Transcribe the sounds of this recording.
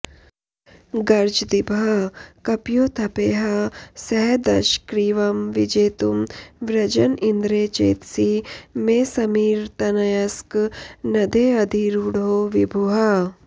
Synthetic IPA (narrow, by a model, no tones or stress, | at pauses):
ɡɐɾd͡ʒd̪ibʱɐkɐpjoːt̪ʰɐpeːɦɐsɐɦd̪ɐʃkɾiːʋɐmʋid͡ʒeːt̪umʋɾɐd͡ʒɐnind̪ɾeːt͡ʃḛːt̪siːmeːsɐmiːɾt̪ɐnɐjɐsknɐd̪ʱeːɐd̪ʱiɾuːɽɦoːʋibʱuɦɐ